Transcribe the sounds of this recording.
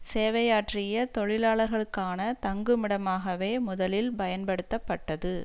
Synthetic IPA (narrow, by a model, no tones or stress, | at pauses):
seːʋɐjaːʈrɪjɐt̪ɔɻɪlaːɭɐɾɣɐɭɯkːaːnɐt̪ɐŋɡɯmɪɽɐmaːɣɐʋeːmʊðɐlɪlbɐjɐnpɐɽɯt̪ːɐpːɐʈːɐðɯ